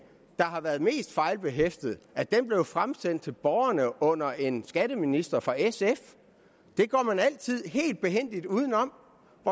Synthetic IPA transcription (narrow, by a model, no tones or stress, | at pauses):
d̥ɑ̈ɦɑ̈ʋæːɐð̩ˠme̝̰ːsd̥fɑ̈ɪlb̥e̝ɦefd̥əð̞̩ˠæd̥emb̥le̝ʊfʁamsen̰d̥̚t͡sʰe̝lb̥ɒʊɐnəʔɔ̽n̰ɐʔe̝nsɡ̥æɾ̥əminisd̥ɐfɒesef | d̥e̝ɡ̥ɒ̰ːmænæl̰t͡sʰið̞̰ˠɦe̝̰ːld̥̚b̥e̝ɦen̰d̥id̥uːðˠn̩ɒ̽m̰ | ʋɒ